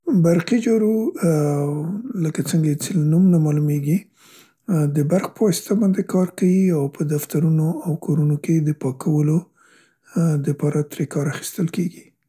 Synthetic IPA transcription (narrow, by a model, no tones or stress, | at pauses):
baɾqid͡ʒɑɾu | ləkat͡səŋɡat͡selnumnamɑlumeɡi | d̪əbaɾxpəwɑsɪ̥t̪abɑnd̪ekɑɾkawiawpʰəd̪aft̪aɾunoawkʰɑɾunoked̪əpɑkʰawəlo | d̪əpɑɾat̪ɾekɑɾaxi̥st̪əlkeɡi